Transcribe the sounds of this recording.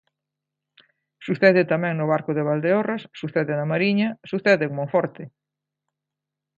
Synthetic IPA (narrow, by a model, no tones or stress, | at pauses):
suθɛðɪt̪amɛ̃ŋnʊβaɾkʊðeβ̞ald̪eorasːuθeðɪnɐmaɾiɲɐsuθɛðɪŋmõŋfɔɾt̪ɪ